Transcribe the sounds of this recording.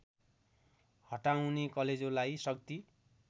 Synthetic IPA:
hʌʈaw̃nekʌled͡zolajsʌk̚t̪i

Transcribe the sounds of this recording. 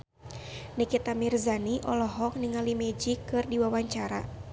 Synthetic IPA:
nəkit̪amirzaniʔɔlɔɦɔk̚niŋalimɛd͡ʒikɨrdiwawaɲt͡ʃaɾa̰

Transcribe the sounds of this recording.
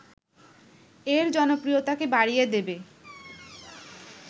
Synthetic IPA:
eɾd͡ʑɔnokɾijot̪akebaɽijed̪ebe

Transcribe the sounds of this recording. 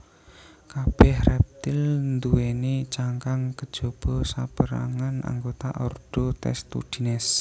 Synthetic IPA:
kab̥ɛhrɛp̚t̪ɪlnd̪uenit͡ʃaŋkaŋkə̥d͡ʒ̥ob̥ɔsapəɾa̰ŋana̰ŋɡot̪aʔɔrd̪̥ot̪ɛ̰st̪ṵd̥inɛs

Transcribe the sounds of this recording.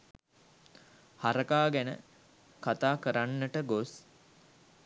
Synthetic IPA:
haɾəkaːɡænə̰ | kat̪aːkəɾanːəʈəɡos

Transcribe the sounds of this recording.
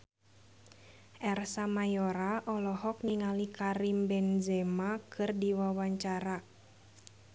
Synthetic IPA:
ʔɛrsamajɔɾaʔɔlɔhɔk̚niŋalikaɾimbɛnzɛmakʰɨrdiwawaɲt͡ʃaɾa

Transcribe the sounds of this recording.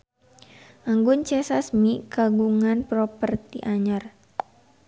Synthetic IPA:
ʔaŋɡʊnt͡ʃɛsasmikaɡuŋanpɾɔpərt̪ḭʔaɲər

